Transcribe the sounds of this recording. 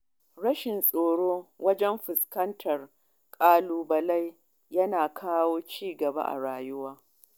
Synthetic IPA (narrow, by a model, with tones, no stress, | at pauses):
ɽɐ˦ʃɪ˨nsʼoː˨ɽoː˦wɐ˦d͡ʒɛ˦mɸɪ˨skɐ˦ntʰɐ˨r | kʼaː˦luː˦bɐ˨la˦j | jɐ˦naː˨kʰaː˦woː˦t͡ʃiː˦ɡɐ˨ba̰˦ʔa̰˨ɽaː˨jʊ˦waː˦